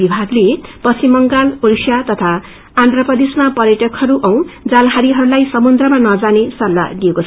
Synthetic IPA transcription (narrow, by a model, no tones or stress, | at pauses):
ibʱaɡlepʌsimːʌŋɡalolsjat̪ʌt̪ʰaː | nd̪rʌpʌd̪esmapʌɾjʌʈʌkhʌɾuʔʌw̃d͡zalɦaɾiɦʌɾulajsʌmund̪rʌmanʌd͡zanesʌlːa̰d̪iekot͡sʰ